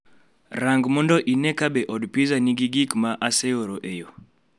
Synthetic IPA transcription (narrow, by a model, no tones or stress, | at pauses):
ɾaŋɡmɔndɔʔinɛkabɛʔɔdupizaniɡiɡikmaʔasɛjoɾoʔejɔ